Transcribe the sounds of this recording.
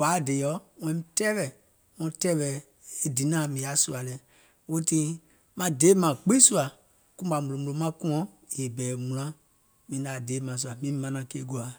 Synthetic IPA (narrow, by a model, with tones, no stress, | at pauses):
ka˨˦˨de˨jɔ˦wɛ̃˧˦ĩ˦tɛ˦vɛ˨ | ŋɔ̃˧˦tɛː˦wɛ˨ | e˦di˨˦nã˦˨mĩ˨a˨˦su˦a˨lɛ˨ | wo˦tĩ˦ | mã˧de˨˦mã˨k͡pĩ˦su˦a˨ | kũ˦ba˨mũ˨lõ˨mu˨lo˨˦mã˦kũ˦ɔ̃˦ | je˨bɛː˨mũ˨lã˨˦ | mĩ˨˦da˨deː˨˦mã˨s̬u˧a˨mĩ˦mã˧nã˨keː˦ɡu˨a˨